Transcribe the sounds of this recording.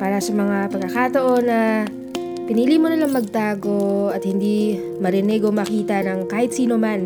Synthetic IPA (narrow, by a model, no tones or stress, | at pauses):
paːɾɐsɐmɐŋapɐɡ̚ɐkat̪ɐʔo̞nːɐ | pɪniːlimonɐlaŋmɐɡ̚t̪aːɡo̞ɐt̪̚hɪnd̪i | mɐɾɛnɛɡo̞mɐkiːt̪ɐnɐŋkaːhɪt̪̚siːnoman